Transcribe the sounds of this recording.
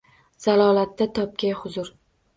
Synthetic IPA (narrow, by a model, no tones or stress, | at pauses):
z̥alɒːlat̪ːat̪ʰɒp̚kʲʰajhʊzʊɾ